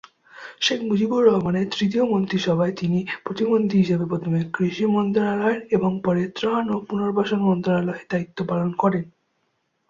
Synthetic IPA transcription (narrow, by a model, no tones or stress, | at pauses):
ʃekʰmud͡ʑibuɾːɔɦomaneɾt̪ɾit̪̬iomont̪ɾiʃɔbʱaet̪inipɾot̪ibont̪ʰiɦiʃebepɾot̪ʰomekɾiʃimɔnd̪ɾalaeɾeboŋpɔɾet̪ɾanopunoɾbaʃonmɔnd̪aaloed̪ait̪ːopalonkɔɾen